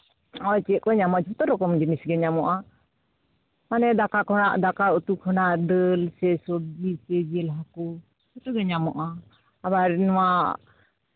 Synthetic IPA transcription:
ɔt͡ʃɛʔkɔɲamɔʔd͡ʒɔt̪ɔɾɔkɔmd͡ʒinisɡɛɲamɔʔa | manɛd̪akakʰɔnaʔd̪akaut̪ukʰɔnaʔdəlsɛsɔb̚d͡ʒisɛd͡ʒɛlɦaku | d͡ʒɔt̪ɔɡɛɲamɔʔa | aβaɾnɔwa

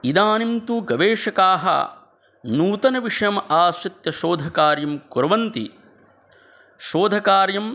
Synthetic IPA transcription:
id̪aːnimt̪uɡɐʋeːʂɐkaːɦɐ̰ | nuːt̪ɐnɐʋiʂɐjɐmaːsɐt̪jɐʃoːd̪ʱɐkaːɾjɐmkuɾɐʋɐnt̪ḭ | ʃoːd̪ʱɐkaːɾjɐm

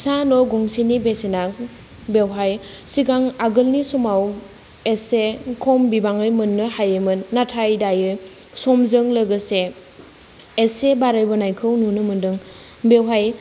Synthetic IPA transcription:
sanɔɡɔŋsinibesenak̚ | bewɦajsiɡaŋaɡɯlnisumaw | esekʰɔmbibaŋɯjmɯnːɯhajemɯnːatʰajdajɯsɔmzɯŋləɡɯse | sebaɾɯjbɯnajkʰɯwnunɯmɯndɯŋbewɦaj

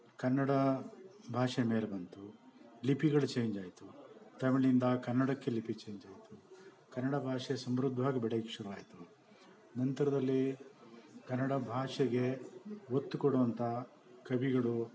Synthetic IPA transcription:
kɐnːɐɽɐbʱaːʂemeːɾebɐnt̪ulipiɡɐɭut͡ʃeːjɲd͡ʒaːjt̪ut̪ɐmiɭind̪ɐkɐnːɐɽɐkːe̞lipit͡ʃeːjɲd͡ʒaːjit̪u̥ | kɐnːɐɽɐbʱaːʂesɐmɾud̪ʱːʋaːɡɐbɛɽɐɡikʂuɾuʋaːjt̪u | nɐnt̪ɐɾɐd̪ɐlːi | kɐnːɐɽɐbʱaːʂɐɡeot̪ːukoɽuʋɐnt̪ʰɐ | kɐbiɡɐɭu

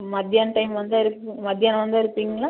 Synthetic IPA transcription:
mɐd̪ɪjaːnʈɐɪmʋɐnd̪ɯɪɾɯkːɯmɐd̪ɪjaːnʋɐnd̪ɯɪɾɯpːiːŋɡɐlaː

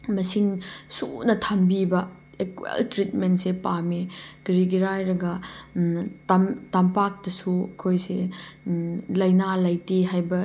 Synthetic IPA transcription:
mɐsiŋsunɐtʰambibɐ | ekwḛltɾitmentsepamekɾiɡiɾajɾɐɡɐ | tamtampak̚dɐsuɐkʰojse | lɐjnalɐjtiɦajbɐ

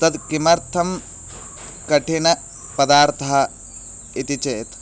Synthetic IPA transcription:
t̪ɐd̪kimɐɾt̪ʰɐm | kɐʈinɐ | pɐd̪aːɾt̪ʰɐɦɐ | it̪it͡ʃeːt̪

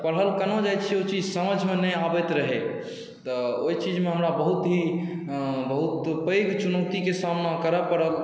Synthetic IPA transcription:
pəɽ̤ɦəlkənod͡ʒajt͡ʃʰiot͡ʃid͡ʒsəməd͡ʒʱmenəabɛt̪ɾəɦe | t̪əojt͡ʃid͡ʒmeɦəmɾabəɦut̪ɦi | bəɦut̪pəjɡt͡ʃunəʊt̪ikesamnakəɾəpəɽəl

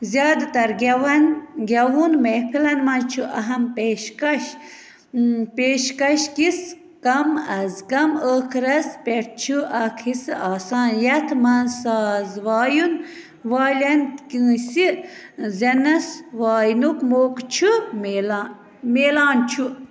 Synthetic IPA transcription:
zjaːd̪t̪ɐɾɡʲwɐnɡʲɐwunmepʰilɐnmɐnt͡ʃʰuʔɐɦɐmpeːʃkɐʃ | peːʃkɐʃkis | kɐmɐzɡɐməːkʰɾɐspeɾt͡ʃʰuʔɐkʰisɨaːsaːnjɐt̪ʰmɐnsaːzʋaːjun | ʋaːlʲɐnkĩsi | zʲɐnɐsʋaːjnukmoːkt͡ʃʰuml | meːlaːnt͡ʃʰu

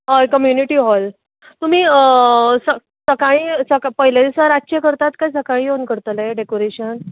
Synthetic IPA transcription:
ɦakəmjuniʈiːɦɔl | t̪um̤iː | sə | səkaɭiːsəkapəɦilad̪isaɾat͡ɕekəɾt̪at̪kajsəkaɭĩjeunkəɾt̪əleɖekoɾeɕən

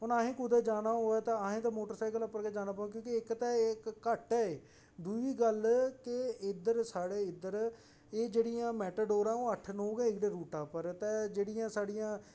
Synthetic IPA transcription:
ɦʊnaɦẽːkʊd̪eːd͡ʒaːnaːɦoːɛːt̪ãəɦẽːt̪ãmoːʈəɾsaːkələpːəɾkɛːd͡ʒaːnãːpaːũk̬jõːkeɪkt̪ɛ̃ːɪkːəʈɛːeː | d̪uiːɡəlkɪɪd̪əɾsaːɽeːɪd̪əɾ | eːd͡ʒeːɽijãːmɛːʈəɖoːɾãːoːəʈʰnoːɡɛ̃ːɪkd̪eːɾuːʈaːpəɾt̪ɛːd͡ʒeːɽɪjãːsaːɽɪjãː

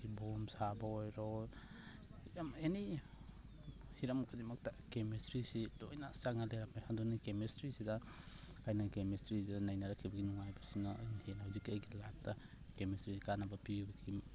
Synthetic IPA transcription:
ibomsabaojɾo | jameni | hiɾamukʰademɐk̚takemistɾisidojnasaŋaleɾamajhadunikemestɾisidɐ | kʰajnakemistɾisidanajnaɾakʰːibɐɡinuŋajbɐsinanhenhawzikajɡilap̚ta | kemisɾisikanabɐpibɐɡʰi

